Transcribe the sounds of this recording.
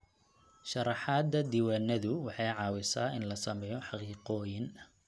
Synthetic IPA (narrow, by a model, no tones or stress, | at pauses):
ʃɑɾɑħɑːd̪ɐd̪iːwaːnɐðʊwɑħɑjʕɑːwɪsaːɪnlɐsɐmɛjɔħɑqiːqɔːjɪn